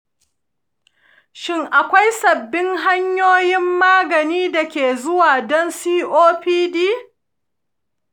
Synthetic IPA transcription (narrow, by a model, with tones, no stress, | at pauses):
ʃɪ˦ŋʔa˨kʷa˦jsɐ˨bːɪ˦ŋɦa˦ɲjoː˦jɪ˦mːaː˦ɡɐ˨niː˦da˨kʲeː˨zʊ˦waː˨dɔ˦nsiː˦ʔoː˦ɸiː˦diː˦